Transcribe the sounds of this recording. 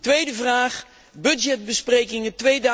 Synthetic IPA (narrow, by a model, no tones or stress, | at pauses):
tʋejdəvraːχ | bɵdd͡ʒɛd̚bəsprejkɪŋətʋejd